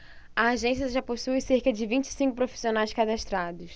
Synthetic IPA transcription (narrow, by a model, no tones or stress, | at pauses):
ɐːʒẽsiɐʒaposujseɾkɐd͡ʒɪvĩnt͡ʃɪ̥sĩŋkʊpɾofi̥sionajskad̪aʃt̪ɾad̪ʊs